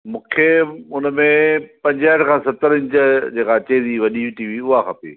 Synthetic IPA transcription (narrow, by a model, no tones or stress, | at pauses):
mũːkʰeʊn̆mẽpɐ̃ɲd͡ʑaːɪʈʰkʰãːsɐt̪əɾɪ̃ɲt͡ɕəd͡ʑeːkat͡ɕeːd̪iʋɐɗiiʈiːʋiʊɦaxɐpḛː